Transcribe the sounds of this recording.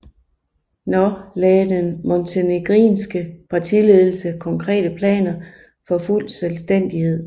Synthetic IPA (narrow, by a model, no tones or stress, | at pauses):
nɒlɛːd̥enmɔnt͡sʰeneɡ̥ʁḭːnsɡ̥əpʰɑ̈t͡sʰile̝ðˠl̩səkʰɒ̽ŋkʰʁɛ̰ːd̥əpʰlɛ̰ːnɐ | fɒ̽ful̰selsd̥en̰d̥ihe̝ð̞̰ˠ